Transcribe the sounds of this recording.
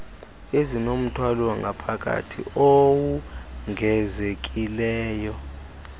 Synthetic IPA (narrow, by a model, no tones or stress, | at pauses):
ezinom̩tʰwalwaŋʱapʰakʼa̰tʰḭowuŋʱɛzekʼilɛːjɔ